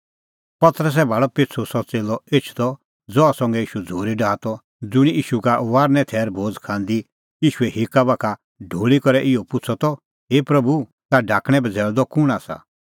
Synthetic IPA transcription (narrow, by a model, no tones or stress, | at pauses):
pɐt̪ɾəs̬ɛbʱaːɭɔpɪtt͡sʰosɔt͡seːlɔet͡ʃʰd̪ɔ | d͡zɔasɔ̃ŋɡɛiːʃud͡zʱoːɾiɖʱaːt̪ɔ | d͡zʊɽ̃iʔiːʃukaʋaːɾnɛ̃t̪ʰɛːɾbʱoːd͡zkʰãːnd̪i | iːʃuɛɦɪkabakʰa | ɖʱoːɭikɔɾɛʔɪɔpʊt͡sʰɔt̪ɔ | ɦeːpɾɐbu | t̪aɖʱaːkɽ̃ɛ̃bɛd͡zʱɛːld̪ɔkʊɽ̃asa̰